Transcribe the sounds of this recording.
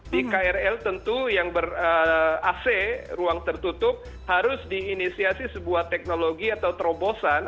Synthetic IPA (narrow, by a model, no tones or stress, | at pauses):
dikaɛrɛlt̪ənt̪ujaŋbərəasɛruaŋt̪ərt̪ut̪ʊp̚ | haɾʊsdiːnisiasisəbuaht̪ɛk̚noloɡiat̪awt̪əɾobosan